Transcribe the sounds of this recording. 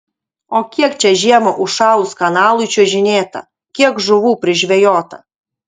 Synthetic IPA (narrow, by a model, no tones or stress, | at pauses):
okʲiɛkt͡ʃʲɛʒʲiɛmoʔʊʃɑːʊskɐnɑːlˠʊt͡ʃʲuʒʲɪnʲeːt̪ɐ̰ | kʲiɛkʒʊʋuːpʲɾʲɪʒʲʋʲɛjoːt̪ɐ̰